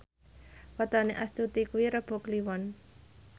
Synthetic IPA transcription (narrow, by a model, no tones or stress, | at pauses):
wɔt̪ɔneʔast̪ut̪ikuwiɾəb̥ɔ̤kliwɔn